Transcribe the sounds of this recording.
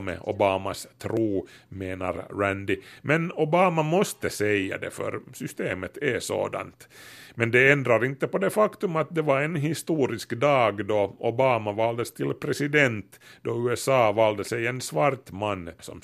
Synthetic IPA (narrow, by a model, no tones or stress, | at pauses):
mɛ̰ʔɔbɑːmast̪ʰɾuːmeːna̰ɾɾænd̪ɪmɛnɔbɑːmamɔst̪əsɛjːa̰d̪ɛ̰fœ̰ɾsʏst̪eːmət̪ʰɛso̰ːd̪a̰nt̪mɛnd̪ɛɛnd̪ɾaɾɪnt̪ːəpɔd̪ɛfakt̪ɵmat̪̚d̪ɛvaɾɛnɦɪst̪uːɾɪskd̪ɑːɡd̪ɔɔbɑːmavɑːld̪əst̪ʰɪlpʰɾɛsɪd̪ɛnt̪d̪ɔʉːɛsɑːvɑːld̪əsɛjɛnsvaɾt̪manːsɔ̰m